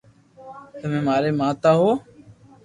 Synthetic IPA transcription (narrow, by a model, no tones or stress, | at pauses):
t̪əmẽːmaːɾeːmãːt̪aːɦoː